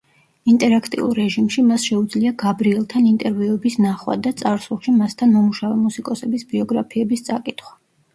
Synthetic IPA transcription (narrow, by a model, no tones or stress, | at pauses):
int̪ʼɛɾakʰt̪ʼḭṵlˠɾɛʒimʃimasʃɛud̪zliaɡabɾiɛlˠt̪ʰanint̪ʼɛɾviɛbisnaχwa̰d̪at̪sʼaɾsulˠʃimast̪ʰanmɔmuʃavɛmusikʼɔsɛbisbiɔɡɾapʰiɛbist̪sʼakʼit̪ʰχwḁ